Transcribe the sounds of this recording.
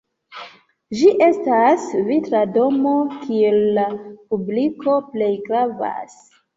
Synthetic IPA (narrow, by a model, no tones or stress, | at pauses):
ʒiʔe̞stasvitɾado̞mo̞kielːapubliko̞ple̞jɡɾava̰s